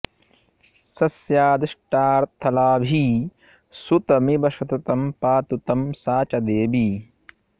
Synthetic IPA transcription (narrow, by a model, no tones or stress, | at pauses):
sɐsjaːd̪iʃʈaːɾt̪ʰːɐlaːbʱi | sut̪ɐmibɐʃɐt̪ɐt̪ɐmpaːt̪ut̪ɐmsaːt͡ʃɐd̪eːbi